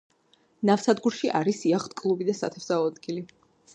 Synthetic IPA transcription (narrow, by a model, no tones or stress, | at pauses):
nafsad̪ɡuɾʃiʔaɾisiaχt̪ʰʼkʼlˠubid̪asa̰t̪ʰɛvzaɔad̪ɡili